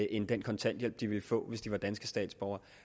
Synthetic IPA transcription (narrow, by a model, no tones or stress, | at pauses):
ʔe̝nd̥enkʰɒ̽nt͡sʰæn̰d̥jel̰b̥̚d̥iʋe̝lfɔ̰̽ːʋe̝sd̥iʋɑ̈d̥ænsɡ̥əsd̥ɛ̰ːd̥sb̥ɒʊɐ